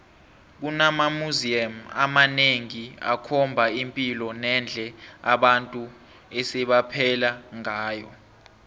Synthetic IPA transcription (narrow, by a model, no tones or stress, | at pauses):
k̬unamamuziama̰maneŋia̰kʰɔmbʱaimpʼilɔnɛnd͡ɮʱɛa̰ɓantʼu | ɛsɛɓapʰɛlaŋaːjɔ